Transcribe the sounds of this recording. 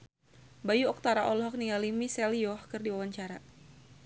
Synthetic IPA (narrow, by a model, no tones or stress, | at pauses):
bajuɔk̚t̪aɾaʔɔlɦɔk̚niŋalimisɛlijɔhkɨrdiwawaɲt͡ʃaɾa